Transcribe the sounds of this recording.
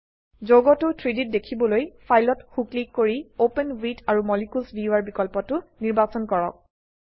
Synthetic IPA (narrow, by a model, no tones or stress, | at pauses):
zoɡɔtʊtʰɹidit̚dekʰibɔlojpʰajlɔtxuklikːoɹiopenwitaɹumɔlikulsbiuaɹbikɔlpɔtʊniɹbasɔnkɔɹɔk̚